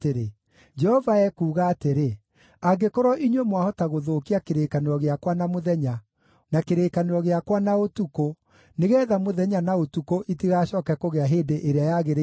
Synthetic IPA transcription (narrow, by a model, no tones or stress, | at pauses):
teɾe | d͡ʒɛhɔvaɛkuːɣaːteɾe | aɡekoɾɔʔiɲwemwahɔtaɣoðoːkiakeɾeːkaneɔɣeakwanamoðɛɲa | nakeɾeːkaneɾɔɣeakwanaotuko | neɣɛːðamoðɛɲanaotukoʔitiɣaːɕɔːkɛkoɣeaɦeːdeʔeɾeajaɣeɾe